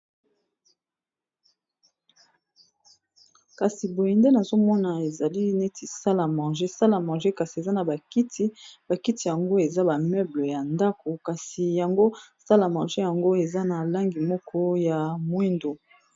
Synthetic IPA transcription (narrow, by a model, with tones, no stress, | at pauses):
ka˨si˨bo˨ji˨nde˦na˨zo˦mɔ˦na˨e˨za˨li˦ne˦ti˨sa˦la˨mɑ̃˨ʒe˦sa˦la˨mɑ̃˨ʒe˦ka˨si˨e˨za˦na˨ba˨ki˦tʰi˦b̥a˨ki˦ti˨ja˨ŋɡo˦e˨za˦ba˨mɛ˦blə˨ja˨nda˦ko˨ka˨si˨ja˨ŋɡo˦sa˦la˨mɑ̃˨ʒe˦ja˨ŋɡo˦e˨za˦na˨la˦ŋɡi˨mɔ˦kʰɔ˦ja˨mwi˦ndo˨